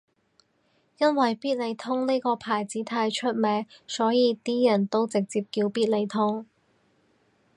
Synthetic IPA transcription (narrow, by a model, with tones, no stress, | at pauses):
jɐ˥nwɐ˨jpiː˥t̚le˨˧jt̪ʰʊ˥ŋniː˥jkɔː˧pʰaː˨˩jt͡siː˨˥t̪ʰaː˧jt͡ʃʰɵ˥t̚mɛː˨˧˥ŋsɔː˨˥jiː˨˧t̪iː˥jɐ˨˩nt̪o˥wt͡sɪ˨k̚t͡siː˧p̚kiː˧wpiː˥t̚le˨˧jt̪ʰʊ˥ŋ